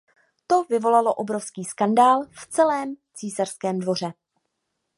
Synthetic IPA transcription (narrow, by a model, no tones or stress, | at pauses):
t̪o̞vɪvo̞lalo̞ʔo̞bɾo̞fskiːskandaːlft͡sɛlɛːmt͡siːsar̥skɛːmdvo̞r̝ɛ